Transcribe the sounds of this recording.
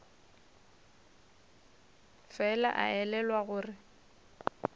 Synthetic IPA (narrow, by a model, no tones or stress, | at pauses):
fɛla̰ʔa̰ɛlɛlwaɣʊːrɪ